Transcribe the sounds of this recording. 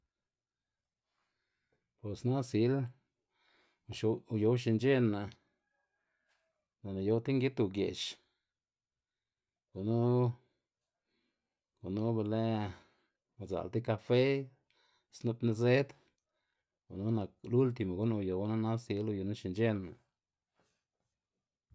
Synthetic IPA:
po˨sna˦si˧˦l | u˧˨ʃu˧jo˧˦wʃi˧nd͡ʒe˦nːa˨ | no˨na˨jo˧˦wt̪i˦ŋɡi˦t̪u˧ɡḛ˨t͡ʃ | ɡ̥o˨nu˦ | ɡ̥u˨nu˦be˧le˦ | a˨za̰˨lt̪i˦ka˧fe˦ | snu˧t̪na˧ze˦d̪ | ɡu˨nu˦na˨k̚lu˦lt̪̬i˧˨ma˨ɡu˦nu˧jo˨˦na˦na˦si˧lu˧jo˧nu˦ʃi˧nd͡ʒe˦na̰˨

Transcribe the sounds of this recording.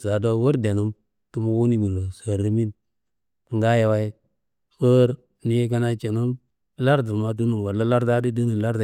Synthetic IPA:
za˨do˦wo˦ɾde˨nu˦m | tu˦mu˦wu˦ni˦mi˨lo˨sa˨ɾi˦mi˦n˨ | ŋɡa˦ja˨wa˦j | wə˦ɾ | ni˦je˦ka˦na˦t͡ʃe˨nu˦m˦ | la˦ɾdu˨ma˨d̬u˦nu˨wa˨la˦la˦ɾda˦di˦di˦nu˨la˦ɾda˨

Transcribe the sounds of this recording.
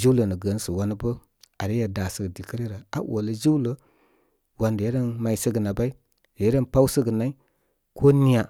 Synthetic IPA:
d͡ʒu˦wlə˨nə˨ɡə˨n˦sə˨wa˦nə˦bə˦ | a˨ɾe˦ja˨da˨sə˦˨ɡə˨di˨kə˦ɾi˦ɾa˨a̰˨˦wo̰˨lə˨d͡ʒi˦wlə˦ | wa˨nde˨˦ɾə˦nma˨i˦sə˦ɡə˨na˨ba˦i˦ | de˨˦ɾə˦npa˦wsə˦ɡə˨na˦i˦ | kʰo˦ni˦ja˨

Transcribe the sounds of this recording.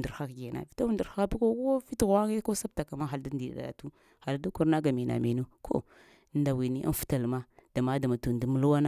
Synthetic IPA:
ndi˨ɾxa˦kɡe˨na̰˨vi˨ta˦wu˦ndu˨ɾxa˦bi˦ko˦ko˦fi˦tɣa˦ɣe˦ko˦sa˦b̚ta˨ka˨ma˦xa˨lda˦ndi˨da̰˨da̰˨tu˦ | ha˨la˨˦da˦ku˦ɾna˦ɡa˨mi˨na̰˨mi˨nu˦kʰo̰˦˨˦ | nda˨wi˨ni˦ʔa̰˦n˦fu̥˦ta˨lma˦d̥a˨ma˦da˨ma˨tu˨n˨di˨˦mu˦lu˦wa˦na˦

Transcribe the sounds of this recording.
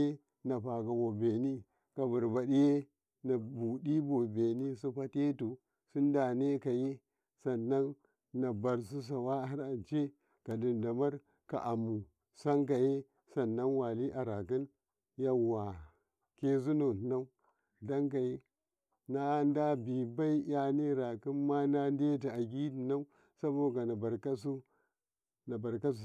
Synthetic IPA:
e˦ | na˨pa˨ka˨bo˨be˨ni˦ | ka˨bu˨ɾba˨di˦je˦ | na˨bu˨di˦bo˨be˨ni˦s̬u˦pa˦te˦tu˨ | su˦n˦da˨ne˦ka˨je˦ | sa˨nːa˦nː | a˨ba˨ɾs̬u˦s̬a˨wa˦a˦ɾa˨nt͡ʃe˦ | ka˨di˨nda˨ma˦ɾ | ka̰˨ʔa˨mu˨ | sa˦ŋk̬a˨je˦ | sa˨nːa˦nwa˨li˦ʔa˨ɾa˨ki˦n | ja˦wa˨ | ke˦zu˦no˨na˦u˦ | da˦ŋka˨je˦ | na˦nda˦bi˨ba˦i˦ja˦ne˦ɾa˨ki˦nma˦na˦n˦de˦t̬a˨a˨ɡʲi˦di˨na˦u˦ | sa˦bo˨ɡa˨na˨ba˨ɾka˦s̬u˦ | na˨ba˨ɾka˦˨

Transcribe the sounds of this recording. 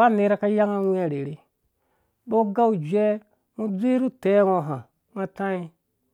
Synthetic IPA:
a˦˨ne˦ɾa˦ka˦ja˦ŋa˦wa˨ɾe˨ɾe˦ | bo˦ɡa˦u˨d͡ʒe˦ | mu˦d͡zi˦ɾu˦te˦ŋo˨ɦa˨ | ŋa˦tã˦i˦

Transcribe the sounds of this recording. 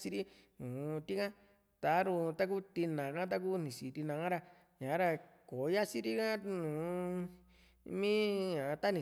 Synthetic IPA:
si˦ɾi˦ | nũː˨˧t̪i˦kã˦ | t̪a˧˦ɾũ˧t̪a˦k̬u˦t̪i˧nã˨kã˦t̪̬a˦ku˦nĩ˨si˨t̪i˧nã˧ã˦ɾa˧ | ɲã˨˦ɾa˧ko˨˦ja˦si˦ɾi˦kã˦nũː˨˧ | mĩ˦ɲã˨˧t̪a˦nĩ˨

